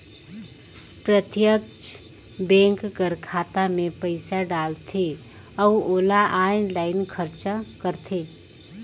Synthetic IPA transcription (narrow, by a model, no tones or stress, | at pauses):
pɾət̪jəkt͡ʃ | bẽːŋkɡəɾkʰaːt̪amẽpəɪsaɖaːlt̪ʰe | ɔwoːlaʔaːɪnlaːɪnkʰəɾt͡ʃakəɾt̪ʰeː